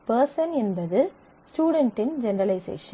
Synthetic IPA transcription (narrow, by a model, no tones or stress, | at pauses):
pɐɾsɐnɛnbɐðɯ | sʈuːɽɛɳʈːɪnd͡ʒɛnɐɾɐlɐɪsḛːʂɐ